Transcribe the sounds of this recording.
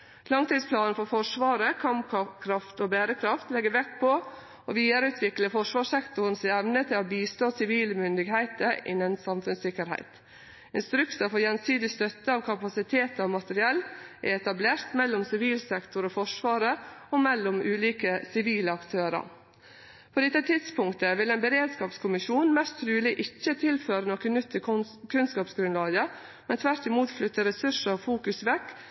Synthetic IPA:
lɑŋt̪iːd̪spʰlɑːnnfɔɾfɔʂʋɑːɾəkʰɑmkkʰɾɑft̪oːbæːɾəkʰɾɑft̪lɛɡəʋɛkpʰɔ | oʋiːd̪əɾəʉːt̪ʰʋɪkləfɔʂʋɑːʂsɛkt̪ʊɾn̩sɪɛʋnət̪ʰɪloːbiːst̪oːsɪʋiːləmʏnd̪ɪɡhæɪt̪əɪ̰nːənsɑmfʉnsɪkəɾhæ̰ɪt̪ | ɪnst̪ɾʉkt̪əfɔjɛnsyːd̪ɪst̪œt̪ːəɑːʋkʰɑpɑsɪt̪ʰeːt̪ɑʋmɑt̪əɾɪɛlːæ̰ɪɛt̪ɑbleːɾt̪mɛlːʊmsɪʋiːlsɛkt̪ʊɾɔfɔʂʋɑːɾəɔmɛlːɔmʔʉːliːkəsɪʋiːləɑkt̪ʰøːɾə̰ɾ | pʰoːd̪ɛt̪ːət̪ʰɪd̪spʰʊŋkt̪əʋɪlɛnbəɾeːd̪skɑːpskʰʊmɪʃuːnmɛst̪ʰɾʉːlɪʔɪçːət̪ʰɪlføːɾənoːkənʉt̪ʰːə | kʰʉnskɑːpsɡɾʉnlɑːɡə | mɛnt̪ʰʋæɾʈɪmuːt̪flʏt̪ːəɾɛsʉʂəɾɔfuːkʉsʋɛkː

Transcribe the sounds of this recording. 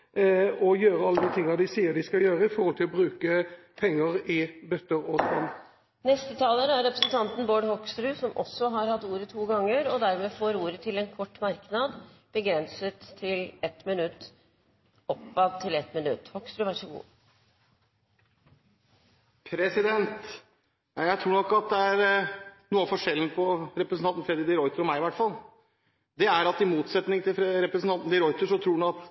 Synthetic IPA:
ɔjøːɾəɑlːəd̪ɪt̪ʰɪŋːɑd̪ɪsiːəd̪ɪskɑljøːɾəɪfɔɾhɔlt̪ʰɪlɔbɾʉːkə | pʰɛŋːəʁɪbœt̪ːəʁɔspɔn | nɛst̪ət̪ʰɑːlənəæɾɾɛpɾəsənt̪ʰɑnt̪n̩boːɖhɔkst̪ɾʉːsɔmʔɔ̰sːɔɦɑɾhɑt̪ːuːɾət̪ʰuːɡɑŋːəɾɔd̪æɾmeːfoːɾuːɾət̪ʰɪlɛnkʰɔʈːmɑɾknɑd̪b̥əɡɾɛnsət̪ʰːɪlɛt̪mɪnʉt̪ː | ɔpːɑd̪̚t̪ʰːɪlɛt̪mɪnʉt̪ːhɔkst̪ɾʉʋæʂɔɡṵː | pʰɾɛsɪd̪ɛnt̪ | ɑjæɪt̪ʰɾuːɳɔkːɑt̪̚d̪ɛæɾnuːəfɔʂɛlənəpʰɔɾɛpɾəsn̩ɑnt̪n̩fɾɛd̪ɾɪd̪ɪɾɔʏt̪əɾɔmæɪɪʋæʈfɑl | d̪ɛæɾɑt̪ɪmuːt̪sɛt̪nɪŋt̪ɪlɾɛpɾəsn̩ʰɑnt̪n̩d̪ɪɾɔʏt̪əʂɔt̪ʰɾuːɖ̪ɑt̪

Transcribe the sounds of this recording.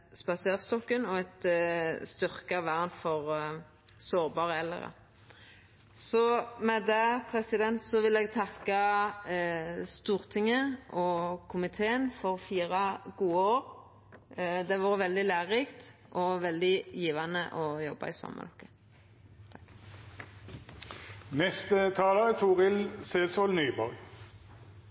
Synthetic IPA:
spɑseːʁst̪ɔkːənɔɛt̪st̪ʏʁkʋæʁnfɔʁ | soːʁbɑːʁəɛlːə̰ʁə̰ | sɔmɛd̪ɛpʰʁɛsɪd̪ɛnt̪sɔʋɪlɛɡ̚t̪ʰɑkːɑ | st̪uːʁt̪ʰɪŋːəʔɔkʰʊmɪt̪ʰeːənfɔʁfiːʁɑɡuːəoːɾ | d̪ɛʋɑːʁʋɛld̪ɪlæːʁɪkt̪ | ʔɔʋɛld̪ɪjiːʋɑnəʔɔjɔbɑ̰ɪsɔ̰mːə̰d̪ɔ̰kːə̥ | nɛst̪ət̪ʰɑːlət̪ʰuːʁɪlseːd̪sɔlnyːbɔɾɡ

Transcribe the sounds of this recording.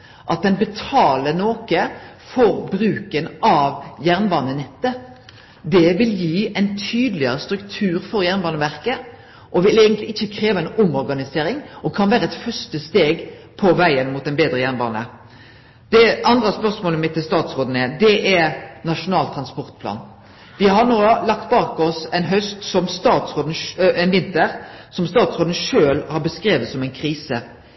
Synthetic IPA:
ʔɑt̪̚d̪ɛnbɛt̪ʰɑːlənoːkə | fɔɾbɾʉːkənɑʋjæʁnbɑːnənɛt̪ːə | d̪ɛʋɪljiːɛɪnt̪ʰyːd̪əlɪəɾəst̪ɾʉkt̪ʰʉːɾfɔɾjæʁnbɑːnəʋæʁkə | ʔɔʋɪleɪɡənt̪lɪɪçːəkʰɾeːʋɑɛɪnʊmɔʁɾɡɑnɪseːɾɪŋɔkʰɑnʋæːɾəɛt̪fœʁstəst̪eːɡ | pʰɔʋæɪənmuːt̪ːɛnbeːd̪ɾəjæɾnbɑ̰ːnə̰ | d̪̥ɛʔɑnd̪ɾəspœʁsmoːləmɪt̪ːɪlst̪ɑːt̪sʁoːd̪n̩ɛd̪ɛʔɛɾnɑʂʊnɑːlt̪ʰʁɑnspɔɾt̪̚pʰlɑ̰ːn | ʋɪhɑnoːlɑk̚t̪̚bɑːkɔsɛnɦœst̪sɔmst̪ɑːt̪sʁoːd̪n̩ɛnʋɪnt̪əɾsɔmst̪ɑːt̪sʁoːd̪n̩ʂøːlhɑɾbəskɾeːʋət̪sɔmæɪnkʰɾiːsə

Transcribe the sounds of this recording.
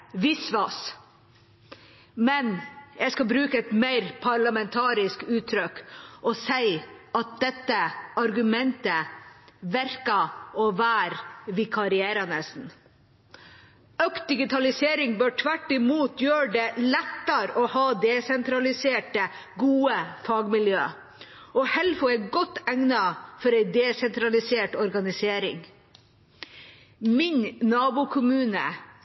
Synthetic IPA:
ʋɪsʋɑs | mɛnjæɪskɑbɾʉːkəɛt̪mæɪɾpʰɑɭɑmɛnt̪ʰɑːɾɪskʉːt̪ʰːɾœkʔɔsæɪɑt̪̚d̪ɛt̪ːəɑɾɡʉmɛnt̪ə | ʋæɾkɑɔʋæːɾʋɪkʰɑɾɪæːɾɑnəsn̩ | œkt̪̚d̪ɪɡɪt̪ʰɑlɪseːɾɪŋbøːʈʰʋæʈːɪmuːt̪ʰjøːɖelɛt̪ːəɾɔhɑːd̪ɛsɛnt̪ɾɑlɪseːʈəɡuːəfɑːɡmɪljøː | ɔhɛlfʊæɪɡɔt̪ːæŋnɑfɔɾæɪd̪ɛːsɛnt̪ɾɑlɪseːʈɔɾɡɑnɪseːɾɪ̰ŋ | mɪɲnnɑːbʊkʰʊmʉːnə̰

